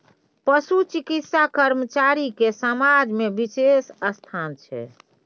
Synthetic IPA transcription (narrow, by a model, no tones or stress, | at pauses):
pəsut͡ʃikit̪sakəɾmət͡ʃaɾikesəmad͡ʒmebisesəst̪ʰant͡ʃʰɛ̰